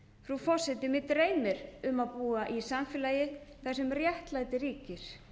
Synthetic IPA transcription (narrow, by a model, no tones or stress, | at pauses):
fɾufɔ̥sɛt̪ɪmɪt̪ɾeːjmɪɾʏmaðpuːaʔisamfɪlajɪθajsɛmrjɛht̪laːjt̪ɪriːcɪɾ̥